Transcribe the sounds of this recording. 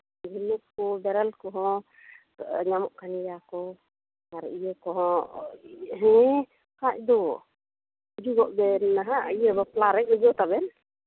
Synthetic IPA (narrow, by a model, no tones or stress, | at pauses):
ɡʱinuʔ̚kɔbɛɾalkɔɦɔ̃ | ɲamɔʔkanijakɔ | aɾɛijəkɔɦɔ̃ | ɦɛ̃ | kac̚d̪ɔ | d͡ʒuɡɔʔbɛnnaɦaijəbaplaɾɛk̚uɡɔt̪abɛn